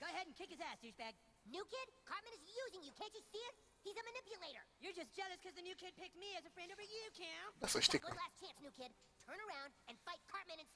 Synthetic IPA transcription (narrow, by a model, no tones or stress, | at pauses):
ɡ̥oʊəhɛɾⁿn̩kʰɪkɨzæstʉd͡ʒbæɡ̚ | nʉkʰɪd̚kʰɑɹt̚mɛ̃nɨzjuzɪ̃ŋjɨkʰæ̃nt͡ʃɨsiɪt̚ | hizɨmɨnɪpjɨleɪɾə̰˞jə˞d͡ʒʌsd̥ʒ̥ɛlˠɨskʰʌzðɨnʉkʰɪd̚pʰɪk̚tmiɨzɨfɹɛ̃ndovə˞jɨkʰæ̃nðætsəʃtɪkɡoʊlæst͡ʃʰæ̃nsnʉkʰɪd̚ | tʰɜ̃˞nə˞ãʊ̃ndɨ̃nfaɪt̚kʰɑɹt̚mɛɨ̃ñɨ̃ns